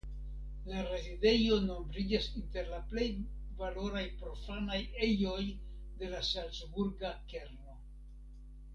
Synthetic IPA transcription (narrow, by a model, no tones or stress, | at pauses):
laɾe̞zide̞jo̞no̞mbɾid͡ʒasinte̞ɾlaple̞jvalo̞ɾajpɾo̞fanaje̞jo̞j | de̞lasalsbuɾɡake̞ɾno̞